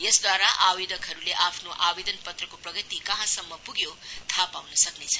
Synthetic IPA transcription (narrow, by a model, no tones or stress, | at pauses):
jesd̪waɾaʔawid̪ʌkɦʌɾuleʔapʰnoʔawed̪ʌnpʌt̪ɾʌkopɾʌɡʌt̪ikaɦãsʌmːʌpuɡjot̪ʰapawnʌsʌknet͡sʰʌ